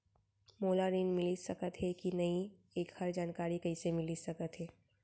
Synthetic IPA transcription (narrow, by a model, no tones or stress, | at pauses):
moːlaɾiːnmɪlisɐkət̪ɦɛkinɐĩ | eːkhɐɾd͡ʒaːnkaːɾikɐisemɪlisɐkət̪ɦɛː